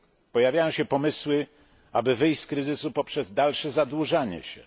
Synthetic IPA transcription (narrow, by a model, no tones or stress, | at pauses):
pɔjavʲjajɔ̃ɕɛpɔmɘswɘ | abɘvɘjt̪kɾɘzɘsupɔpʂɛzd̪alʂɛzad̪wuʐaɲɛ̰ɕɛ̰